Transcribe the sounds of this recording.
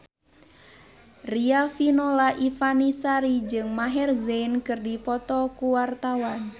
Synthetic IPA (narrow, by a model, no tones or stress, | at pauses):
riafinolaʔifanisaɾid͡ʒɨŋmaɦɛrzenkɨrdipɔt̪ɔkuwart̪awan